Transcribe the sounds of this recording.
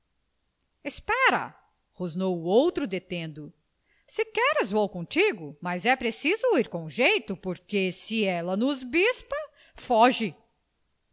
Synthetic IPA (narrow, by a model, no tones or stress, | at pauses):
espɛɾɐ̰ | hoznowʊowt̪ɾʊd̪et̪ẽnd̪ʊ | sɪkɛɾɪzvowkõt͡ʃiɡʊmɐzɛpɾesizʊiɾkõʒejt̪ʊpoɾkesɪɛlɐnʊzbispɐ | fɔʒɪ